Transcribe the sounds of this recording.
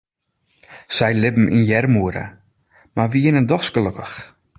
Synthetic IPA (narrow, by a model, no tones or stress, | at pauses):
sɛjlɪbm̩ʔḭnjɛrmuəɾə̰ | marʋiɪnəndɔxsɡ̥əløkəx